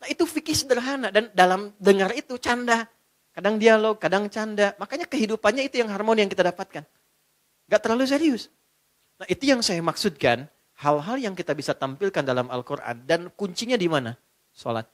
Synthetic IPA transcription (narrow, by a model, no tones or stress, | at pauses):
nait̪ufikɪsədəɾɦanadandalamdəŋaɾit̪ut͡ʃanda | kadaŋdialoɡ̚kːadaŋt͡ʃandamakaɲakəɦidupanɲait̪ujaŋɦarmonijaŋkit̪adapat̪̚kan | ŋɡaʔt̪ərlalus̬eɾiʊs | nait̪ujaŋsajamaksut̪̚kan | halɦaljaŋkit̪abisat̪ampilkandalama̰lkoɾʔa̰ndankuɲt͡ʃiɲadimana | so̰la̰t̪̚